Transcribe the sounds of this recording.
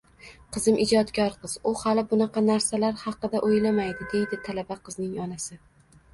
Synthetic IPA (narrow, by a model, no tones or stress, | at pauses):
qʰɨzɪmʔɪd͡ʒɒt̪kʲʰɒɾqɨz̥ʊhalɪbʊnɑqʰɑnaɾsalaɾhɑqɨd̪aʔojlamajd̪ɪd̪e̞jd̪ɪt̪ʰalabaqʰɨznɪŋɒnasɪ